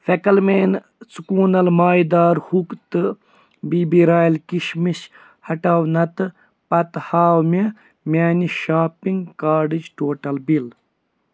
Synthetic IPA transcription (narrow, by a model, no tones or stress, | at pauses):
fekɐlmeːn | t͡sukuːnɐlmaːjd̪aːɾhukt̪ɨ | biːbiɾaːjlkiʃmiɕ | hɐʈaːwnɐt̪ɨ | pɐt̪haːwme | mʲaːniʃaːpiŋɡkaːɖid͡ʒʈoːʈɐlbil